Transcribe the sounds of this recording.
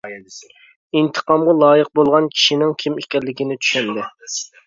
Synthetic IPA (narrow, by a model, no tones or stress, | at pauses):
int̪ʰə̥qɑmʁɑlˠɑːjəq̚bolˠʁɑnkʲʰi̥ʃinɪŋkʲʰimekʲɛɾlːɪkʲinɪt̪ʰy̥ʃɛnd̪ɪ